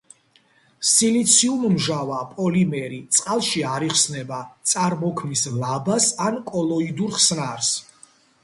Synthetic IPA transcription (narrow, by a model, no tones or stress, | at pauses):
silit̪sʰiummʒavapʼɔlimɛɾit̪sʼqʼalˠʃiaɾiχsnɛbat̪sʼaɾmɔkʰmislabasankʼɔlˠɔid̪uɾχsnaɾs